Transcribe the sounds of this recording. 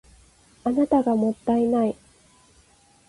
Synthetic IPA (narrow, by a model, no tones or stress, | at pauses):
anat̪aɡamo̞t̪ːainai